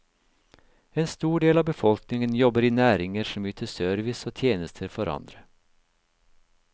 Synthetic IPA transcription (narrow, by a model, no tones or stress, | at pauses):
eːnst̪uːɖeːlɑːʋbəfɔlknɪŋənjɔbəɾɪnæːɾɪŋəɾʂɔmjyːt̪ʰəsœɾʋɪsoːt̪ʰjeːnəst̪ʰəɾfɔɾɑ̰nd̪ɾə